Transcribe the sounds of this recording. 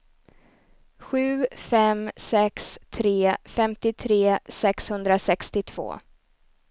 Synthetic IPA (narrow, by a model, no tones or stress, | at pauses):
ɧʉ̟ːfɛmsɛkst̪ʰɾeːfɛmt̪ɪt̪ʰɾeːsɛkshɵnd̪ɾasɛkst̪ɪt̪ʰv̥o̰ː